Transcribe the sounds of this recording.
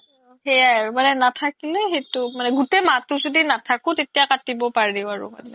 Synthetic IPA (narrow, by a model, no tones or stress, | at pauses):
hɛjamanɛnatʰakilɛxetʊmanɛɡutematʊzodinatʰakʊ̃tetijakatibɔpaɹiʊaɹʊ̰ma̰nɛ